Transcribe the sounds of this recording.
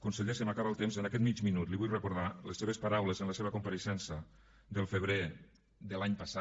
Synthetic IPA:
kunseʎesəmakaβəlˠt̪emzənakɛt̪mit͡ʃminut̪liβujrəkuɾðaləseβ̞əspaɾawləzənləseβəkumpaɾəʃɛnsə | d̪əlˠfəβɾe | ðəlaɲpəsa

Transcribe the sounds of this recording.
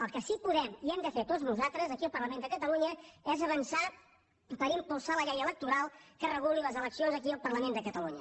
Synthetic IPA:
əlˠkəsipuðɛmiɛmd̪əfet̪oznuzat̪ɾəzəkiəlˠpərləmẽnd̪əkət̪əluɲəɛzəβənsa | pəɾimpulˠsaləʎɛjələk̚t̪uɾalˠkərəɣuliləzələksionzəkiəlˠpərləmend̪əkət̪əluɲə

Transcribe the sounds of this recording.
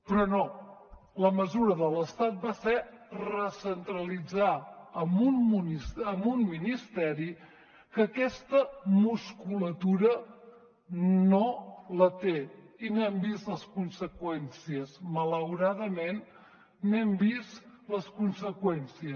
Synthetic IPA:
pɾɔno | ləməzuɾəðələst̪at̪̚basɛrəsənt̪ɾəlid͡zaəmununisəmunːinist̪ɛɾi | kəkɛst̪əmuskulət̪uɾə | nolət̪einoɛmbist̪ləskunsəkwɛnsiəsmələwɾaðəmenː | ɛmbist̪ləskunsəkwɛnsiəs

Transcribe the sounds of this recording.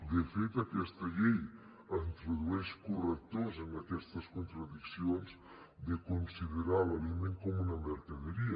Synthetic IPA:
d̪efet̪ɐkɛst̪ɐʎɛj | ent̪ɾeðuɛskurek̚t̪ozeŋakɛst̪ɐskunt̪ɾaðiksionz | d̪ekonsiðeɾalalimeŋkɔmunɐmeɾkɐðeɾiɐ

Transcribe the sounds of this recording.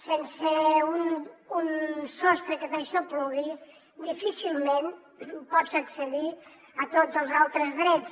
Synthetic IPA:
senseununsɔst̪ɾəkət̪eʃɔploði | d̪ifisilˠmen | pɔd͡zəksəði | ət̪od͡zəlˠzalˠt̪ɾəzðɾɛt͡s

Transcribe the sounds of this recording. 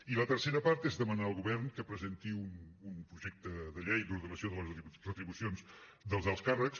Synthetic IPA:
ilət̪əɾseɾəpaɾt̪ezðəmənaəlˠɣuβɛɾnkəpɾəzent̪iunumpɾuʒek̚t̪əðəʎejd̪uɾðunəsioðələrət̪ɾiβusionz | d̪əlˠzəlˠskarəks

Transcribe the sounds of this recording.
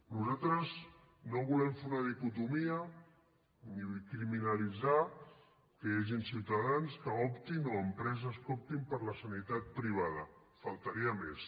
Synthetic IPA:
nuzat̪ɾəz | noβulɛmfuɾnaðikut̪umiə | nikɾiminalid͡za | kəjaʒinsiwt̪aðanskəɔpt̪inoəmpɾɛzəskɔp̚t̪impəɾləsanit̪at̪̚pɾiβ̞aðə | falˠt̪əɾiəmes

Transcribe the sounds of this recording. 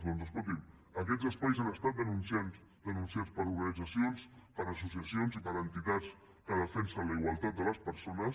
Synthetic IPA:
nonzəs̬kɔlt̪̬imək̬ɛzəspajzanəst̪at̪̚d̪ənunsians | d̪ənunsiat͡spəɾuɾɣənid͡zəsionspəɾəsusjəsionzipəɾənt̪it̪at͡s | kəð̞əfɛnsənləiɣwalˠt̪at̪̚d̪ələspəɾsonəs

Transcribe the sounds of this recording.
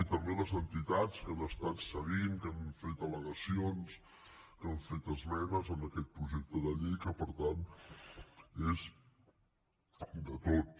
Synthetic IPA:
it̪əmbeləzənt̪it̪at͡skənəst̪at̪səɣiŋkəɱfet̪ələɣəsions | kəɱfet̪əzmɛnəzənəkɛt̪̚pɾuʒek̚t̪əðəʎejkəpəɾt̪an | ez | d̪ət̪ot̪

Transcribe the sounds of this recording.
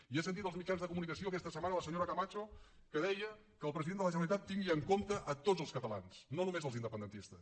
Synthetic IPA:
iasənt̪it̪əlzmit͡ʃanzðəkumunikəsioəkɛst̪əsəmanələsəɲoɾəkəmat͡ʃo | kəðɛjə | kəːlˠpɾəziðend̪ələʒənəlit̪at̪ːiŋɡiəŋkomt̪əʔət̪od͡zəlˠskət̪əla̰nsnonumezəlˠzind̪əpənd̪ənt̪ist̪əs

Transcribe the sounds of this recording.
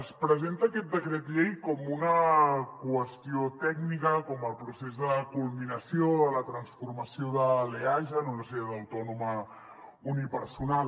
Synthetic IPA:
spɾəzent̪əːkɛt̪̚d̪əkɾet̪ʎejkɔmunəkwəst̪iot̪ɛɡnikəkɔməlˠpɾusezðəkulˠminəsioələt̪ɾənsfurməsioðəleaʒənonəseɾðəwt̪ɔnumə | unipəɾsunal

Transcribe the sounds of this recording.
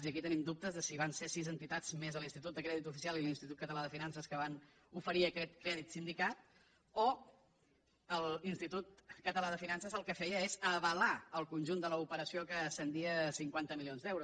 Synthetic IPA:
ziəkit̪ənimd̪up̚t̪əzðəsiβansesizənt̪it̪ad͡zmezəlˠinst̪it̪ut̪d̪əkɾɛðit̪ufisialilinst̪it̪ut̪̚kət̪əlaðəfinansəskəβan | ufəɾiəkɛt̪kɾɛðit̪sind̪ikat̪̚ | o | əlˠinst̪it̪ut̪̚kət̪əlaðəfinansəzəlˠkəfɛjəezəβəlaəlˠkunʲʒund̪ələupəɾəsiokəːsənd̪iəsiŋkwant̪əmilionzd̪ɛwɾu

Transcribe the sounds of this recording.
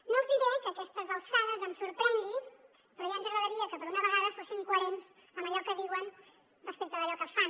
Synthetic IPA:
nozðiɣekəkɛst̪əzəlˠsaðəzəmsuɾpɾɛŋɡi | pɾɔjanzəɣɾəðəɾiəkəpəɾunəβəɣaðəfosikwəɾens | əməʎɔkəðiwən | dəspikt̪əðəʎɔkəfan

